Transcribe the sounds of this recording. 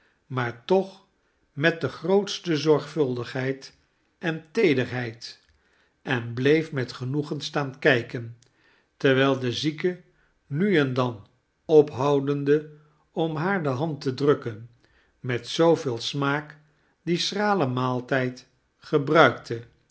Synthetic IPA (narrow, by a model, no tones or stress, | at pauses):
maːɹtɔχ | mɛt̚dəχrowtstəzɔɹχfɵlˠdəχɦɛjt | ʔɛntejdərɦɛjt | ɛnblejfmɛtχənuχənstaːnkɛjkən | tɛɹʋɛlˠdəzikə | nyɛndɑn | ɔpɦɑwdəndə | ɔmɦaːɹdəɦɑntədrɵkən | mɛtsowvɪːlˠsmaːk | disraːləmaːlˠtɛjt | χəbrœɥktʰə